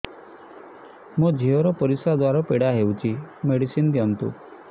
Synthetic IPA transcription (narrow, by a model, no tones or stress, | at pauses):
mũd͡ʒʱiɔɾɔpɔɾisad̪waɾɔpeɽaɦewt͡ʃʰimeɽisind̪jɔnt̪ṵ